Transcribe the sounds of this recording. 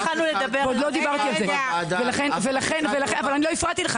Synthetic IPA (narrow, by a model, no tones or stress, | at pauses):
alnuled̪ɐbeod̪lod̪ibaʁt̪ialzevelaχenvelaχenvelaχenavalanilo̞ifʁat̪ileχa